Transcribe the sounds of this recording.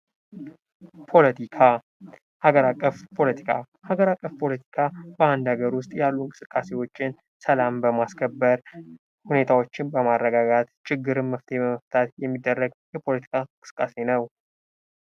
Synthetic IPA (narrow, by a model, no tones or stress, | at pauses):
pʰo̞lət̪ʰikʰa | haɡəɾakʼːəfpʰo̞lət̪ʰi̥kʰa̰ | haɡəɾakʼːəfpʰo̞lət̪ʰi̥kʰabəand̪haɡəɾwʊst̪ʼjalːuŋkʼɨsɨkʼːase̞wo̞t͡ʃːɪn | səlambəmaskʰəbːəɾ | hune̞t̪ʰawo̞t͡ʃːɪnbəmarːəɡaɡat̪t͡ʃɪɡːɨɾɨnmːəft̪ʰebəməft̪ʰat̪jɛmːid̪ːərːəɡjɛpʰo̞lət̪ʰi̥kʰaŋkʼɨsɨ̥kʼːase̞nəw